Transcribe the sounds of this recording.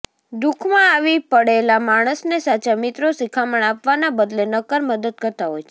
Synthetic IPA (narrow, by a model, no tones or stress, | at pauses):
d̪ukʰmãaʋipəɽelamaɽ̃əsnesat͡ʃamɪt̪ɾosikʰaməɳapʋanabəd̪lenəkəɾməd̪əd̪̚kəɾt̪aɦojt͡ʃʰe̥